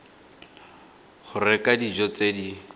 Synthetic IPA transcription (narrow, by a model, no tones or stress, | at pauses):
χʊrɪkʼadid͡ʒɔt͡sedi